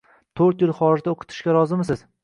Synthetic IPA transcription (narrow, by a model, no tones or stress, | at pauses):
t̪ʰɵɾt̪jɪlˠχɒɾɪʒd̪aoqʰʊ̥t̪ʰɪ̥ʃkʲaɾɒzɪmsɪz̥